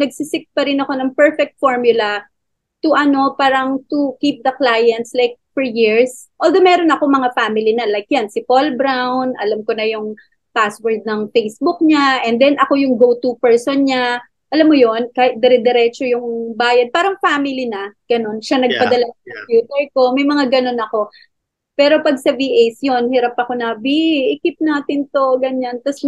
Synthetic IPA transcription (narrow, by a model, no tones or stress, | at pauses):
nɐɡsɪsɪk̚pɐɾɪnɐko̞nɐŋpɛɹfɛk̚t̪̚foɹmjʊlɐ | t̪ʊʔɐno̞paːɾɐŋt̪ukiːp̚d̪ɐklajɐnt̪slajk̚fɔɹjiɹs | ʔold̪omɛɾonɐkoŋmɐŋafaːmɪlinɐlajk̚jansɪpolbɾawnʔɐ̰lamkonɐjʊŋ | paswɛɹd̪̚nɐŋfejsbʊk̚ɲaʔɛnd̪ɛnʔɐko̞jʊŋɡowt̪upɛɹsonɲa | ʔɐlamːojo̞nkaːhɪt̪̚d̪ɛɾɛd̪ɛɾɛt͡ʃojʊŋbaːjɐd̪̚paːɾɐŋfaːmɪlinɐɡ̥ɐno̞nʃanɐɡ̚pɐd̪ɐlaskompjuːt̪ɛɹko̞mɐjmɐŋaɡɐno̞nɐko̞ | pɛːɾo̞pɐɡ̚sɐviʔejsjo̞nhɪɾapɐko̞nɐviʔɪkɪp̚naːt̪ɪnt̪o̞ɡɐɲant̪ɐs